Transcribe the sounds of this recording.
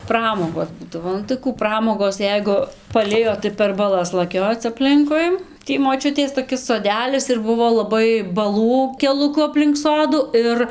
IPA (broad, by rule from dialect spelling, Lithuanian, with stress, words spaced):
ˈprɑːmoːɡoːs ˈbuːdɐʋoː nʊ tɐɪ ˈkuː ˈprɑːmoːɡoːs ˈjɛɪɡʊ pɐˈlʲɪjoː tɐɪ pʲɛr bɐˈlˠɐs lˠɐˈkʲoːt͡s ɐpʲˈlʲɪŋkʊɪ ˈtʲiː moːˈt͡ʃʲʊtʲeːs toːˈkʲɪs soːˈdʲæːlʲɪs ɪr ˈbʊʋoː lˠɐˈbɐɪ bɐˈlˠuː kʲɛlˠʊˈkʊ ɐpʲlʲɪŋk ˈsoːdʊ ˈɪr